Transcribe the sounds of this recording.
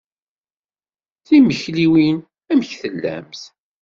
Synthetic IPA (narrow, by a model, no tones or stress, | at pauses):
θiməçliwin | æməçθəlːæ̰mθ